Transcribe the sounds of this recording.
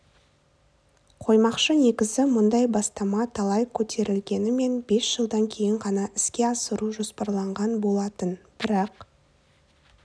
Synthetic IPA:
qʰo̞jmɑqʃəne̞kʲɪzɪmʊnd̪ɑjbɑst̪ɑmɑt̪ʰɑlˠɑjkʲʰɵt̪ʰe̞ɾɪlɡʲe̞nɪme̞nbe̞sʒ̥əlˠd̪ɑŋkʲʰe̞jɪɴqɑnɑʔɪskʲe̞ɑsəɾuʒo̞spɑɾlˠɑɴʁɑnbo̞lˠɑt̪ənb̥ɪɾɑq

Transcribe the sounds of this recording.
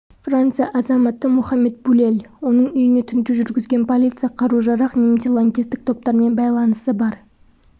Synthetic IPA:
frant̪sɨjɑʔɑzɑmɑt̪ːəmʊχɑmːe̞t̪̚bulʲe̞lwo̞nəɴʏjɪne̞t̪ʰʏnt̪ɪʒʏɾɡʲɪzɡʲe̞npʰo̞lʲit̪sɨjɑqʰɑɾuʒɑɾɑqnemt̪ʲelˠoŋɡʲist̪ɪk̚t̪ʰo̞p̚t̪ɑɾme̞nbɑjlˠɑnəsəbɑɾ

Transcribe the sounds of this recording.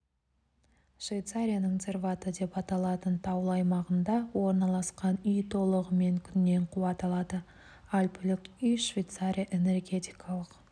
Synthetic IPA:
ʃvʲejt̪saɾʲijanəɴzʲe̞rvat̪əd̪e̞pɑt̪ɑlˠɑt̪ənt̪ʰɑwəlˠɑjmɑʁənd̪ɑwo̞ɾnɑlˠɑsqɑnʏjt̪ʰo̞lˠəʁəme̞ŋkʲʰʏnːe̞ɴqʰuɑt̪ɑlˠɑd̪ə | ɑlpʲʰʏlɪkʲʏjʃvʲejt̪saɾʲijaʔe̞ne̞rɡʲe̞t̪ijkʰɑlˠəq

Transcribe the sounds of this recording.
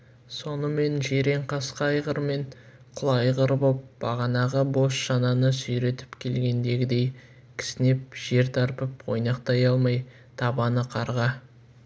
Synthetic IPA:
so̞nəme̞nʒeɾe̞ɴqʰɑsqɑɑjʁəɾme̞ɴ | qʰʊlˠɑjʁəɾbop̚b̥ɑʁɑnɑʁəbo̞sʃɑnɑnəsʏjɾe̞t̪ɪ̥pkʲʰe̞lɡʲe̞nd̪e̞ɡʲɪd̪e̞j | kʲʰɪ̥sɪne̞p̚ʒ̥e̞ɾt̪ʰɑɾpəpwo̞jnɑqt̪ɑjɑlˠmɑj | t̪ʰɑbɑnəqʰɑɾʁɑ

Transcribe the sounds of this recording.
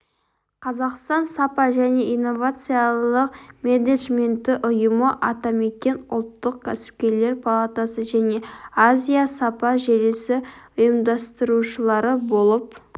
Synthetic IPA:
qʰɑzɑqst̪ɑnsapɑʒæne̞ʔijnːo̞vat̪sɨjalˠəqmʲeneʒme̞nt̪ːɪʔʊjəməʔɑt̪ɑme̞kʲe̞nʊ̰lˠt̪ːəq̚kʲʰæsɪ̥p̚kʲe̞ɾle̞ɾpʰalˠat̪asəʒæne̞azʲijasapɑʒeɾesɪʊjəmd̪ɑst̪əɾuʃəlˠɑɾəbo̞lˠəp̚

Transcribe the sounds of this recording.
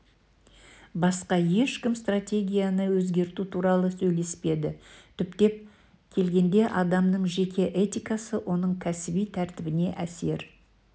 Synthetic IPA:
bɑsqɑje̞ʃkʲɪmst̪rat̪ʲe̞ɡʲijanəwɵzɡʲe̞ɾt̪ut̪ʰuɾɑlˠəsɵjle̞spe̞d̪ɪt̪ʰʏpt̪e̞p̚ | kʲʰe̞lɡʲe̞nd̪e̞ʔɑd̪ɑmnəɴʒe̞kʲʰe̞ʔet̪ʲijkɑsəwʔo̞nəɴkʲʰæsɪbijt̪ʰæɾt̪ɪbɪne̞ʔæse̞ɾ

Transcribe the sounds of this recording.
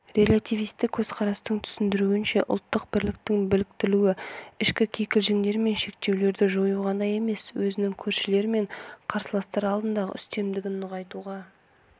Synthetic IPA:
ɾe̞lʲˠat̪ijvijst̪ɪkʲʰːɵz̥qʰɑɾɑst̪əɴt̪ʰʏ̥sɪnd̪ɪɾuɪnʃe̞ʔʊlˠt̪ːəq̚bɪɾlɪk̚t̪ɪŋbɪlɪk̚t̪ɪluwɪɪʃkʲɪkʲʰe̞kʲɪlʒɪŋd̪e̞ɾme̞nʃe̞k̚t̪e̞wle̞ɾd̪ɪʒojuʁɑd̪ɑje̞me̞swɵzɪnɪŋkʲʰɵɾʃɪle̞ɾɪme̞ɴqʰɑɾsəlˠɑst̪ɑɾɑlˠd̪ənd̪ɑʁə̰ʏst̪e̞md̪ɪɡʲɪnːʊʁɑjt̪uʁɑ

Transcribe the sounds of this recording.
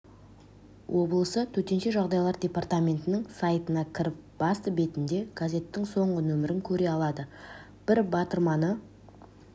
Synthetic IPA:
wʔo̞blˠəsət̪ʰɵt̪e̞nʃe̞ʒɑʁd̪ɑjlˠɑɾd̪ʲe̞part̪amʲe̞nt̪ɪnɪŋsajt̪ənɑkʲʰɪɾɪp̚b̥ɑst̪əbe̞t̪ɪnd̪e̞ɡ̥azʲe̞t̪ːɪŋso̞ɴʁənɵmɪɾɪŋkʲʰɵɾe̞ɑlˠɑd̪ə | b̥ɪɾbɑt̪əɾmɑnə

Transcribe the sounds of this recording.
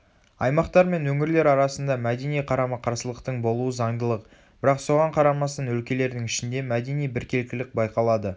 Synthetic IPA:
ɑjmɑqt̪ɑɾme̞nwɵŋɪɾle̞ɾɑɾɑsənd̪ɑmæd̪e̞nijqʰɑɾɑməqʰɑɾsəlˠəqt̪əɴbo̞lˠuəzɑɴd̪əlˠəq | b̥ɪɾɑqso̞ʁɑɴqʰɑɾɑmɑst̪ɑnwɵlkʲe̞le̞ɾd̪ɪŋɪʃɪnd̪e̞mæd̪e̞nijbɪɾkʲʰe̞lkʲɪlɪk̚bɑjqɑlˠɑd̪ə

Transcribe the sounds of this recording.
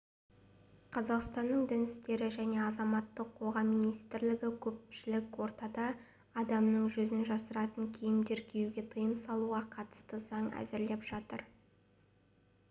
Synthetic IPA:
qʰɑzɑqst̪ɑnːəɴd̪ɪnɪst̪e̞ɾɪʒæne̞ɑzɑmɑt̪ːəqʰːo̞ʁɑmijnijst̪ɪɾlɪɡʲɪkʲʰɵp̚ʃɪlɪkʲwo̞ɾt̪ɑd̪ɑː | d̪ɑmnəɴʒɵzɪnʒɑsəɾɑt̪əŋkʲʰijɪmd̪eɾkʲʰejuɡʲe̞t̪ʰəjəmsɑlˠuʁɑqʰɑt̪ə̥st̪əzɑɴæ̰zɪɾle̞pʒ̥ɑt̪əɾ

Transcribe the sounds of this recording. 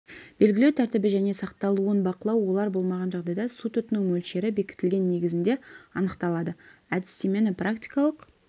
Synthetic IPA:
b̥e̞lɡʲɪle̞wt̪ʰæɾt̪ɪbɪʒæne̞sɑqt̪ɑlˠuənbɑqəlˠɑwwo̞lˠɑɾbo̞lˠmɑʁɑnʒɑʁd̪ɑjd̪ɑsut̪ʏt̪ɪnɪŋmɵlʃe̞ɾɪbe̞kʲɪ̥t̪ɪlʲɡʲe̞nːe̞ɡʲɪzɪnd̪e̞ɑnəqt̪ɑlˠɑd̪əæd̪ɪst̪eme̞nɪprakt̪ʲijkɑlˠəq

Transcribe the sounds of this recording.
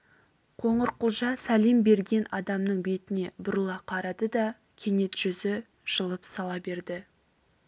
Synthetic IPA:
qʰo̞ɴəɾqʰʊlˠʒɑsælijmbe̞ɾɡʲe̞nɑd̪ɑmnəɴbe̞t̪ɪne̞bʊɾəlˠɑqʰɑɾɑd̪əd̪ɑ | kʲʰe̞ne̞t̪ʒ̥ʏzɪ | ʒ̥əlˠəpsɑlˠɑbe̞ɾd̪ɪ

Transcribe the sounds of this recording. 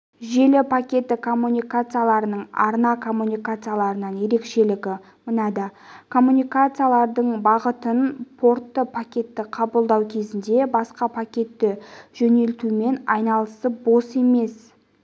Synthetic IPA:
ʒe̞lɪpʰakʲe̞t̪ːɪkʰo̞mːunʲijkat̪sɨjalˠɑɾənəɴɑ̰ɾnɑkʰo̞mːunʲijkat̪sɨijalˠɑɾənɑnje̞ɾe̞kʃe̞lɪɡʲɪ | mənɑd̪əkʰo̞mːunijkat̪sɨjalˠɑɾd̪əɴbɑʁət̪ənpʰo̞ɾt̪ːəpʰakʲe̞t̪ːɪqʰɑbəlˠd̪ɑwkʲʰe̞zɪnd̪e̞bɑsqɑpʰakʲe̞t̪ːɪʒ̥ɵne̞lt̪ume̞nɑjnɑlˠəsəp̚bo̞se̞me̞s

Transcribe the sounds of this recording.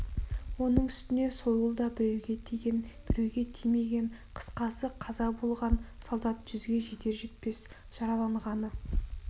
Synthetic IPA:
wo̞nəɴʏst̪ɪne̞so̞jəlˠd̪ɑbɪɾeɡʲet̪ʲnb̥ɪɾewɡʲe̞t̪ʰijme̞ɡʲe̞ɴqʰə̥sqɑsəqʰɑzɑbo̞lˠʁɑn | solˠd̪ɑt̪ʒ̥ʏzɡʲe̞ʒe̞t̪e̞ɾʒe̞t̪̚pe̞s | ʒ̥ɑɾɑlˠɑɴʁɑnə

